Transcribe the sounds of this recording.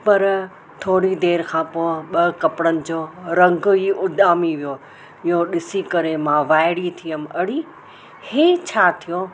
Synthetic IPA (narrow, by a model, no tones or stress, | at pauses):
pɐɾ | t̪ʰoːɽid̪eːɾkʰãːpoːɪɓɐkɐpɽənɪ̆d͡ʑoːɾɐ̃ŋɡɦiːʊd̪ʱaːmiʋijo | ɪɦõɗɪsikɐɾemãʋaːɪɽit̪ʰijəmɐɽi | heːt͡ɕʰaːt̪ʰijõ